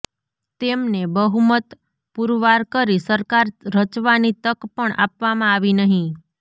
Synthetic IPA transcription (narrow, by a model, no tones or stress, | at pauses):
t̪emnebəɦumət̪ | puɾʋaɾkəɾisəɾkaɾɾət͡ʃʋanit̪əkpəɳa̰pʋamãaʋinəɦĩ